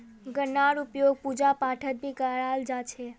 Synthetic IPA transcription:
ɡənaɾupjoɡ̚pud͡ʒapaʈʰət̪̚bʱikəald͡ʒat͡ʃʰe

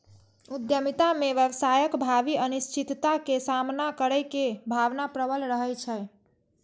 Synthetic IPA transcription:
ud̪jəmit̪ameʋjəbsajəkbʱabiənist͡ʃit̪t̪akesamnakəɾəjkebʱaʋnapɾəbəlɾəɦəjt͡ʃʰə

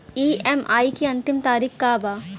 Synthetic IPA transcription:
iːema̰ːikiɐ̃nt̪ɪmt̪aːɾiːkkaːbaː

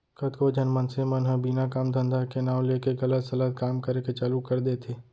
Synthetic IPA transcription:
kət̪kod͡ʒənmənsemənɦə̃biːnakaːmd̪ə̃nd̪ʱakenaːw̃leːkeɣɐlət̪sɐlət̪̚kaːmkəɾeket͡ʃaːlukəɾd̪et̪ʰeː

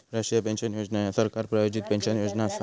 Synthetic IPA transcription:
ɾəɕijapẽnɕənjod͡ʑnajasəɾkaɾpɾajod͡ʑit̪̚pɛ̃nɕənjod͡ʑnaːsa

